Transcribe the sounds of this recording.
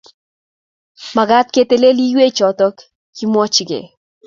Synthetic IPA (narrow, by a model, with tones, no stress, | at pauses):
ma˨ɡa˦t̪̚ke˦t̪e˦le˦li˦we˦t͡ʃɔt̪ɔ˦k | kimwɔ˦t͡ʃɡḛ˨